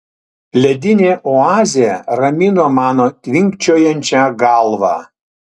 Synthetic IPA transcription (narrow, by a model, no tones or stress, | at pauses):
lʲɛd̪ʲɪnʲeːʔɔɑːzʲɪjɛɾɐmʲɪnoːmɑːnoːt̪ʲʋʲɪŋʲkt͡ʃʲoːjɛnʲt͡ʃʲæɡɑlˠʋɑ̰ː